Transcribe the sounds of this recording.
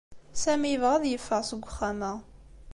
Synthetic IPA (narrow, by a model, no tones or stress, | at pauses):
sæmiəvʁəðjəfːəʁsəɡʷːʊχːæmæ